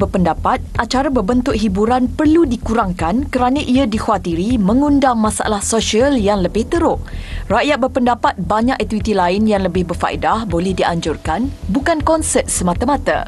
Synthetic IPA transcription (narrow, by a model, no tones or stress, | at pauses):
bəpəndapat̪̚ʔat͡ʃaɾabəbənt̪ʊʔ̚ɦibuɾanpərludikuɾaŋkankəɾanãʔiadixuat̪iɾimə̃ŋundaŋmãsa̰lahsoʃiəljaŋləbɪht̪əɾʊʔraʔjat̪̚bərpəndapat̪̚baɲakʔɛt̪iwit̪ilaɪnjaŋləbɪhbərfa̰ḭdahbolɛhdiaɲd͡ʒʊrkanbukankɔnsɛt̪̚səmãt̪amat̪a̰